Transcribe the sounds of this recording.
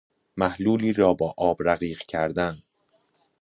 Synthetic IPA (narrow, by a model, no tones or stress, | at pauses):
mæhluːliːɾɒːbɒːʔɒːbɾæɣiːɢcʰæɾd̪æn